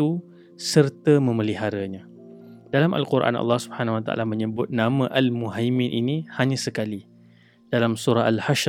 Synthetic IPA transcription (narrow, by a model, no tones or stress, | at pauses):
u | sərt̪əmə̃məliɦaɾaɲã | d̥alamʔa̰lkuɾʔa̰nɑ̰lːɑhsubəhanahwat̪a̰a̰lamə̃ɲəbʊt̪̚namãʔalmuɦajminʔinihaɲãsəkali | d̥alamsuɾaɦalhaʃ